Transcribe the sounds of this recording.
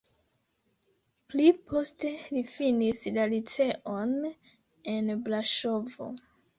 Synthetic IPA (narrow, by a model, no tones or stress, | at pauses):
plipʰo̞ste̞lifinislalit͡se̞ʔon | e̞nblaʃo̞vo̰